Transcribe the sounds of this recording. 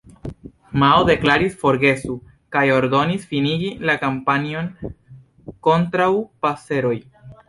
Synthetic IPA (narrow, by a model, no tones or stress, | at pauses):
maode̞klaɾisfo̞ɾɡe̞su | kajo̞ɾdo̞nisfiniɡilakampanio̞n | ko̞ntɾawpase̞ɾo̞j